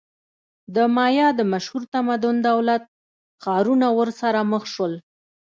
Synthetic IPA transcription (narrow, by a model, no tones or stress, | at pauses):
d̪əmɑjɑd̪əmaʃhuɾt̪amad̪ʊnd̪awlat̪̚ | xɑɾunawəɾsaɾaməxʃwəl